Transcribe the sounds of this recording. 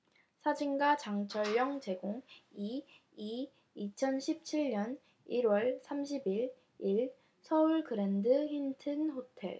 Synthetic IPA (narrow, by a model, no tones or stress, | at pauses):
sʰad͡ʑiŋɡat͡ɕaŋt͡ɕʰʌɭːʌŋt͡ɕe̞ɡoŋi | i | it͡ɕʰʌnɕʰip̚t͡ɕʰiɭɲʌn | iɾwʌɭsʰamɕ̬ʰibiɭ | iɭ | sʰʌuɭkɯɾendɯhintʰɯnɸotʰe̞̰ɭ